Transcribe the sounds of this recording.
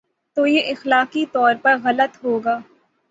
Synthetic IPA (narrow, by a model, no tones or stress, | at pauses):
t̪oːjeʔɪxlaːqit̪ɔːɾpɐɾɣɐlət̪ɦoːɡaː